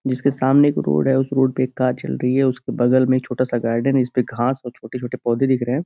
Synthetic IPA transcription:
d͡ʒɪskesaːmneeːkɾo̰ːɖɦɛʊsɾoːɖpeeːkːaːɾt͡ʃɐ̰lɾɐɦiɦɛʊskebɐɡəlmẽeːkt͡ʃʰoːʈasaɡaːɾɖə̃nɪspeɡʱãːsɔɾt͡ʃʰoːʈet͡ʃʰoːʈepɔːd̪ʱed̪ɪkʰɾəɦɛ̃ː

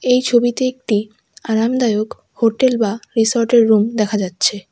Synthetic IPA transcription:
ejt͡ɕʰobit̪eek̚ʈi | aɾamd̪aeok | hoʈelbaɾisoɾʈeɾːumd̪ɛkʰad͡ʑatːɕʰe

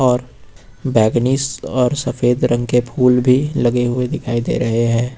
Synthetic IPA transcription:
ɔːɾ | bɛːɡniːsɔːɾsɐfeːd̪ɾɐ̃ŋɡkepʰuːlbʱilɐɡeɦʊed̪ɪkʰaːid̪ḛːɾɐɦeɦɛ̃ː

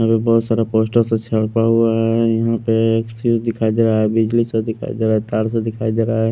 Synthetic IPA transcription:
ãbebɔt̪saːɾapoːsʈəɾset͡ʃʰeɽpauaɦɛjɐɦãpeksiod̪ɪkʰajd̪eɾaaɦɛbɪd͡ʒlised̪ɪkʰa̰ḭd̪eɾaɦɛt̪aːɾsed̪ɪkʰaid̪eɾaɦɛ

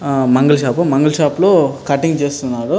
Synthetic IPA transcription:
mɐŋɡɐlɐʃaːpumɐŋɡɐlɐʃaːploːkɐʈːiŋɡt͡ʃeːst̪unːaːɾu

